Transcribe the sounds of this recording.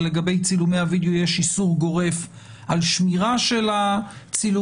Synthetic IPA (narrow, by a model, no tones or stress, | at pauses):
leɡabe̞jt͡silumejhavid̪eojeʃisuʁɡo̞ʁe̞f | alʃmiʁaʃe̞lat͡silu